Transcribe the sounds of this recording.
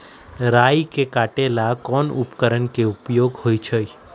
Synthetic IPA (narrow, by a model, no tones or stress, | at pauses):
ɾajkekaʈelakɔnupkəɾəɳkeupjoɡhojt͡ʃʰəj